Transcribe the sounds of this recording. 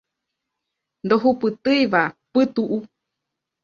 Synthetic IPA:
nd̪oɦupɨt̪ɨjʋapɨt̪uʔu

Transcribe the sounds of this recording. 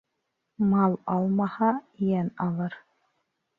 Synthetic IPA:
mɑlˠɑlˠmɑhɑjænɑlˠɤɾ

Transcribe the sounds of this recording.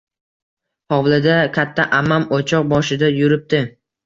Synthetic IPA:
hɒwlˠɪd̪akʲʰat̪ʰːaʔamamot͡ʃʰɒq̚bɒʃɪd̪ajʊɾɪp̚t̪ɪ

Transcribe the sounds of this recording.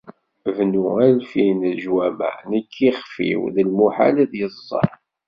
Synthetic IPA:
vnuælfinəʒwæmæ̰nəkʰːiχfḭwðəlmuħa̰liðjəzˤːɑ̰ɾˤ

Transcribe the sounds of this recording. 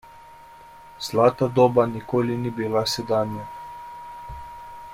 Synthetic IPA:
z̥laːt̪ad̪oːbanikoːlinibilasɛd̪aːnja

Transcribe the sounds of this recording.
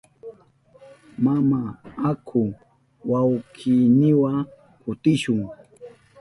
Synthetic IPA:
mamaːkʰʊ | wawkʰiːnɪwa | kʊt̪ɪʃʊŋ

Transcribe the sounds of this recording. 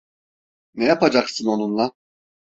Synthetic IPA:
nɛjapad͡ʒaksɯno̞nunlˠa

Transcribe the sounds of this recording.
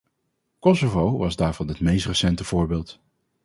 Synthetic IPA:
kɔsovowʋɑzdaːɹvɑnɦətmejstrəsɛntəv̥ʊːɹbɪːlˠt

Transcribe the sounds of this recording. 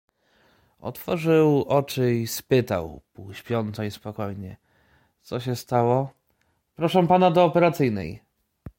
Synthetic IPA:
ɔ̰t̪fɔʐɘwɔt͡ʂɘispɘt̪a̰wpuwɕpʲjɔnt̪sɔispɔkɔjɲɛ̰ | t̪sɔɕɛst̪awɔ | pɾɔʂɛ̃panad̪ɔːpɛɾat̪sɘjnɛ̰j

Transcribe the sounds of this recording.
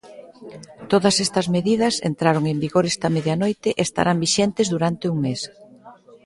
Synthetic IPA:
t̪oðɐsɛst̪ɐzmeðiðɐsḛnt̪ɾaɾoŋembiɣoɾɛst̪ɐmeðjɐnojt̪ɪʔest̪a̰ɾʔambiʃɛnt̪ezðuɾant̪euŋmes

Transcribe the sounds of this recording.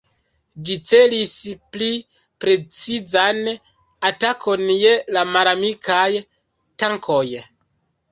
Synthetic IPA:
d͡ʒit͡se̞lispli | pɾe̞t͡sizan | atakʰo̞nje̞lamaɾamikʰaj | taŋkʰo̞j

